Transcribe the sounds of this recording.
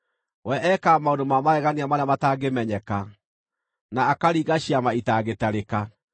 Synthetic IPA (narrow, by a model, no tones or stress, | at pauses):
wɛʔɛkaːmaondomamaɾɛɣaniamaɾamataɡemɛɲɛka | naːkaɾiːɣaɕiamaitaɣetaɾeka